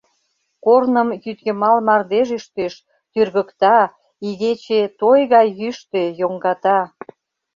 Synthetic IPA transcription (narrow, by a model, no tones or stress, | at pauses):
kornəmjyt̪ɡemɑlmɑrd̪eʒyʃt̪eʃ | t̪yrɣə̆kt̪ɑ | iɣet͡ɕet̪ojɣɑjːyʃt̪ejoŋɡɑt̪ɑ